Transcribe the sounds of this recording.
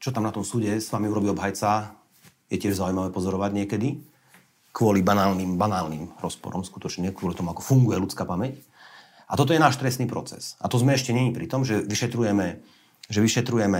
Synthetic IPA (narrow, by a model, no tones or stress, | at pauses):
t͡ʃɔt̪amnat̪ɔmsuːɟɛsʋamiuɾɔbiːɔbɦajt͡sa | jɛcɪɛʒzaujmaʋɛːpɔzɔɾɔʋaɟɲɪɛkɛd̪i | kʋʊɔlibanaːlnimbanaːlnimɾɔspɔ̰ɾɔ̰mskut̪ɔt͡ʃɲɛkʋʊɔlit̪ɔmuakɔ̥fuŋɡujɛlut͡skaːpamɛc | at̪ɔt̪̬ɔjɛnaːʃt̪ɾɛst̪niːpɾɔt͡sɛ̰sat̪ɔzmɛɛʃcɛɲɛɲipɾit̪ɔmʒɛʋiʃɛt̪ɾujɛmɛ | ʒɛʋiʃɛt̪ɾujɛmɛ